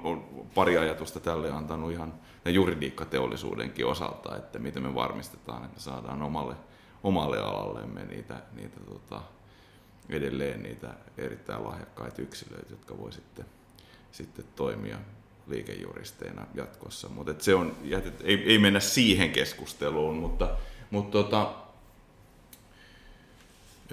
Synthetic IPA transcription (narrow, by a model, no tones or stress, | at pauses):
olpɑriɑjɑt̪ust̪ɑt̪ælːeɑnt̪ɑnuihɑn | t̪æjuridiːkːɑt̪eolːisṵːdḛŋkiosɑlt̪ɑet̪ːæmit̪emmeʋɑ̰rmist̪e̥t̪ɑːnet̪mesɑːdɑːnomɑlːe | omɑlːḛɑlɑlːḛmːḛnḭːt̪ænḭːt̪æt̪ot̪ɑ | ʔedelːeːnniːt̪æeɾit̪ːæilʔɑhjɑkːɑit̪yksilø̰it̪jot̪kɑʋoisit̪ːe | sit̪ːet̪toimiɑ | liːkejːṵrist̪einɑjɑt̪kosːɑmut̪et̪seonjæt̪et̪eieimenːæssiːheŋkeskust̪eluːnmut̪ːɑmut̪t̪ot̪ɑ